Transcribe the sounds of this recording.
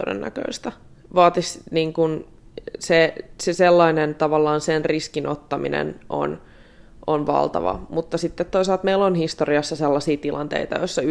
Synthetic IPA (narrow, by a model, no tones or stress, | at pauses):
odḛnːæ̰kø̰ist̪æ | ʋɑːt̪isniːŋkun | seseselːɑinent̪ɑʋɑlːɑːnsenriskinot̪ːɑmḭnḛnʔo̰n | ʔonʋɑ̰lˠt̪ɑ̰ʋɑ̰mut̪ːɑsit̪ːet̪t̪ːois̬ɑlt̪meilːonhist̪oriɑsːɑselːɑsiːt̪ilɑnt̪ḛit̪ɑjoisːɑ